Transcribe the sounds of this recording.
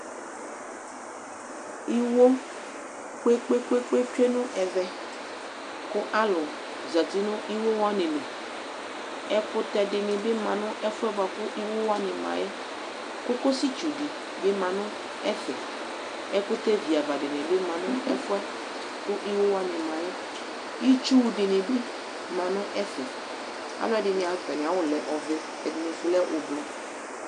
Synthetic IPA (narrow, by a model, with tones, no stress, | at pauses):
i˦wo˦ | ke˦k͡pe˦k͡pe˦k͡pe˦t͡ʃe˦nʊ̃˦ʔɛ˨vɛ˦ | kʊ˦ʔa˦lʊ˨ | za˨t̪i˦nʊ̃˦ʔi˦wo˦wa˦nɪ̃˨nẽ˨ | ɛ˦kʊ˦t̪ɛ˨dɪ˨nɪ̃˨bɪ˦mã˨nʊ̃˦ʔɛ˦fʊ˦ɛ˦ba˨kʊ˦ʔi˦wo˦wa˦nɪ̃˨mã̰˨jɛ˦ | kʊ˦ko˦si˦t͡ʃu˨dɪ˨ | bɪ˦mã˨nʊ̃˦ | ɛ˦fɛ˨ | ɛ˦kʊ˦te˦vi˨a˨va˨dɪ˨nɪ̃˨bɪ˦mã˨nʊ̃˦ɛ˦fʊ˦ɛ˦ | kʊ˦ʔi˦wo˦wa˦nɪ˨mã˨jɛ˦ | i˦t͡ʃu˦˨dɪ˨nɪ̃˨bɪ˦ | mã˨nʊ̃˦ʔɛ˦fɛ˨ | a̰˨˦lʊ˦ɛ˦dɪ˨nɪ̃˨a˨˦pɛ˨nɪ̃˨a˨wʊ˦˨lɛ˨ʔɔ˨vɪ˦ | ɛ˨dɪ˨ne˨fɪ˨lɛ˦ʔʊ˨blɔ˨